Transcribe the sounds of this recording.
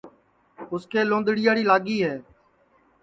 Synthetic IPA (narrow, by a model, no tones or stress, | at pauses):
ʊskeːlõːnd̪ɽɪjaːɽiːlaːɠiːɦɛː